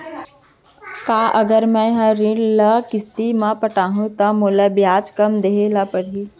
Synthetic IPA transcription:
kaːʔɐɡəɾmɛ̃ːɦɐɾɪ̃ɽləkɪst̪imãpəʈaːɦũt̪ɐmoːlabjaːd͡ʒkɐmd̪eɦelapɐɽ̤iː

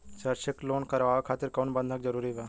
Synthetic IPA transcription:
t͡ʃɐɾt͡ʃɪkloːnkɐɾʋaːʋakʰaːt̪ɪɾkoːnbɐ̃nd̪ʱək̚zɐɾuːɾibaː

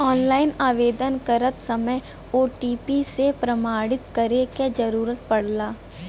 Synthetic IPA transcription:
ɔːnlaːɪnaːʋeːd̪ənkəɾət̪sɐməj | oːʈiːpisepɾəmaːɽɪt̪kəɾeked͡ʒɐɾuːɾət̪̚pɐɽ̤laː

